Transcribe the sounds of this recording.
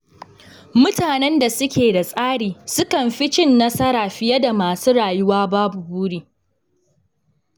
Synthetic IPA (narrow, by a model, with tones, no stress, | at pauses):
mʊ˦taː˨nɛ˦nda˨sʊ˦kʲeː˨da˨sʼaː˦ɽiː˨sʊ˦kɐ˨mɸɪ˦t͡ʃɪ˦nːɐ˦sɐ˦ɾaː˨ɸɪ˦jɐ˦da˨maː˨suː˦ɽaː˨jʊ˦waː˦baː˦bu˨buː˦ɽiː˨